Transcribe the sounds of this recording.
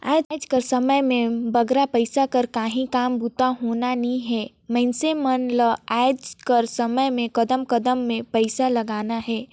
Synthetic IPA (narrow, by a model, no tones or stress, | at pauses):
aːd͡ʒd͡ʒkɐɾsɐməjmẽbɐɡɾapəɪsakɐɾkaːɦĩkaːmbʱut̪aɦoːnanɐɦĩɦɛː | mɛ̃ɪnsemənləaːd͡ʒkɐɾsɐməjmẽkɐd̪əmkɐd̪əmːẽpəɪsalɐɡaːnaɦɛː